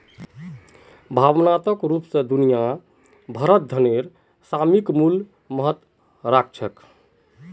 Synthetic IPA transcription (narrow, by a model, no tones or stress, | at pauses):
bʱabnat̪əkɾupsẽd̪unija | bʱəɾət̪̚d̪ʱəneɾ | samikmul | məɦət̪ | ɾak̚t͡ʃʰək